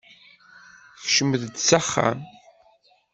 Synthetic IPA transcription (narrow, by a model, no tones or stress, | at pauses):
fʃəməðd̪t͡sːaχːa̰m